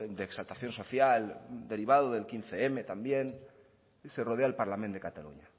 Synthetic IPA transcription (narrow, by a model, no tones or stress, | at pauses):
d̪eːksalt̪aθjo̞nso̞θjald̪e̞ɾiβ̞að̞oðe̞lkin̟θeeme̞t̪ambje̞n | seroð̞eaelpaɾlamẽnd̪e̞kat̪alṵɲa